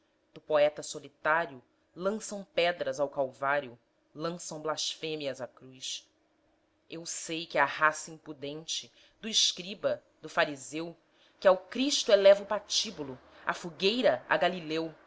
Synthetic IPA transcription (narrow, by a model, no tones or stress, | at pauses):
d̪̥ʊpoɛt̪ɐsolit̪aɾjʊ | lɐ̃sɐ̃w̃pɛd̪ɾɐzawkawvaɾjʊ | lɐ̃sɐ̃w̃blaʃfẽmiɐzakɾujs | ewsejkɪahasɐĩmpud̪ẽnt͡ʃɪ | d̪ʊɪʃkɾibɐ | d̪ʊfaɾizew | kɪawkɾiʃt̪ʊelɛvʊpat͡ʃibulʊ | a̰fuɡejɾɐa̰ɡalilew